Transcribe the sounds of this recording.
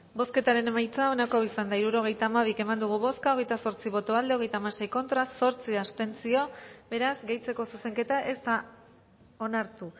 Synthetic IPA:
bo̞ske̞t̪aɾe̞ne̞majt͡sao̞nako̞isand̪aiɾuɾo̞ɣ̞e̞jt̪aːmaβ̞ike̞mand̪uɣ̞uβo̞skao̞ɣ̞e̞jt̪aso̞ɾt͡siβ̞o̞t̪o̞βald̪e̞o̞ɣ̞e̞jt̪aːmaɾse̞jko̞nt̪ɾaso̞ɾt͡siast̪e̞nt͡sio̞be̞ɾazɡe̞jt͡se̞ko̞suse̞ŋke̞t̪aʔe̞st̪a | o̞naɾt̪u

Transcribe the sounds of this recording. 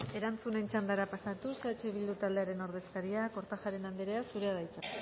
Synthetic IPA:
e̞ɾant͡sune̞nt͡ʃand̪aɾapasat̪usat͡ʃeβild̪ut̪ald̪e̞aɾe̞no̞ɾð̞e̞skaɾiako̞ɾt̪axaɾe̞nand̪eɾe̞asuɾe̞aðajt͡sak

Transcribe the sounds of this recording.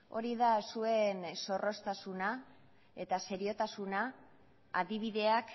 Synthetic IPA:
o̞̰ɾiðasue̞nso̞ro̞st̪asuna | e̞t̪ase̞ɾio̞t̪asunaː | ðiβ̞iðe̞ak

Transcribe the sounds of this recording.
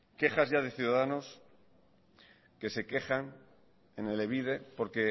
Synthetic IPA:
ke̞xazʝað̞e̞θjuðaðano̞s | ke̞se̞ke̞xaŋ | enele̞βiðe̞po̞ɾke̞

